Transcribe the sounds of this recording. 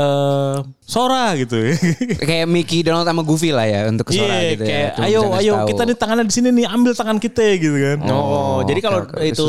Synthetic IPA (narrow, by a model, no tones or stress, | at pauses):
ʔəː | soɾaɡit̪ukajamikidɔnalt̪amaɡufila̰hja̰unt̪ʊ̥kəisoat̪kajaʔajoajokit̪anit̪aŋanadisininɪambɪlt̪aŋankit̪aɡit̪ukanɔd͡ʒadikaloit̪u